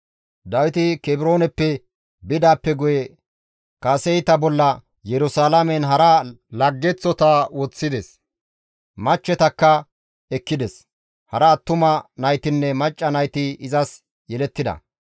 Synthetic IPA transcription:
d̪ɐwɪt̪ɪkɛbɪɾoːnɛpːɛ | bɪd̪aːpːɛɡʊjɛ | kɐːsɛjt̪ɐbɔlːɐ | jɛɾʊsaːlɐmɛnɦɐɾɐlɐɡːɛt͡sːɔt̪aːwɔt͡sːɪd̪ɛs | mɐt͡ʃːɛt̪ɐkːɐ | ɛkːɪd̪ɛs | hɐɾɐt̪ːʊmɐnɐjt̪ɪnːɛmɐt͡ʃʼːɐnɐjt̪ɪɪzɐs | jɛlɛt̪ːɪd̪ɐ̰

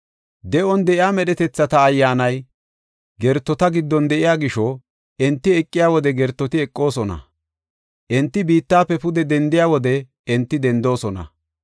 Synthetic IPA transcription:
d̪ɛʔɔnd̪ɛʔɪjaːmɛɗɛt̪ɛt͡sːɐt̪ɐːjːaːnɐj | ɡɛɾt̪ːɔt̪ɐɡɪd̪ːɔnd̪ɛʔɪjaːɡɪʃɔ | ɛnt̪ːɪɛkʼːɪjaːwɔd̪ɛɡɛɾt̪ːɔt̪ɪɛkʼːo̞ːsɔnɐ̰ | ʔɛnt̪ːɪbiːt̪ːaːpːɛpʊd̪ɛd̪ɛnd̪ɪjaːwɔd̪ɛ | ɛnt̪ːɪd̪ɛnd̪o̞ːsɔnɐ̰

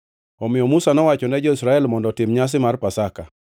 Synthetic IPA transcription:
ɔmɪjɔmusanɔwat͡ʃɔnɛd͡ʒɔisɾaɛlmɔndɔtɪmɲas̬ɪmarpasaka

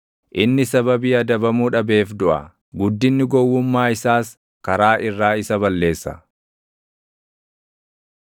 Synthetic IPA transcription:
ʔɪnːɪsɐbɐbiːɐd̪ɐbɐmuːᶑɐbe̞ːfd̪ʊʔɐ̰ | ɡʊd̪ːɪnːɪɡɔwːʊmːaːɪsaːs | kɐɾaːʔɪrːaːɪsɐbɐlːe̞ːsːɐ̰

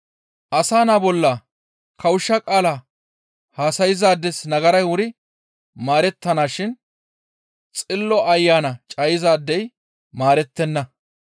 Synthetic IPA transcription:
ʔɐsaːnaːbɔlːɐ | kɐwʊʃːɐkʼaːla | haːsɐjɪzaːd̪ːɛsnɐɡɐɾɐjwʊɾɪ | maːɾɛt̪ːɐnaːʃɪn | t͡sʼɪlːɔʔɐjːaːnɐt͡ʃʼɐjɪzaːd̪ːɛj | maːɾɛt̪ːɛnːɐ

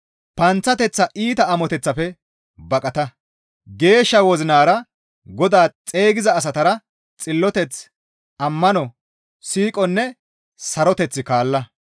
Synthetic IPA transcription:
pɐnt͡sːɐt̪ɛt͡sːɐʔiːt̪ɐːmɔt̪ɛt͡sːɐpɛ | bɐkʼɐt̪ɐ | ɡe̞ːʃːɐwɔzɪnaːɾɐ | ɡɔd̪aːt͡sʼe̞ːɡɪzɐːs̬ɐt̪ɐɾɐ | t͡sʼɪlːɔt̪ɛt͡s | ɐmːɐnɔ | siːkʼɔnːɛ | sɐɾɔt̪ɛt͡sːɪkaːlːɐ

